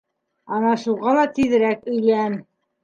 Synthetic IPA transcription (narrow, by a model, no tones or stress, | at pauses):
ɑnɑʃuʁɑlˠɑt̪iðɘ̆ɾækɵ̆jlæm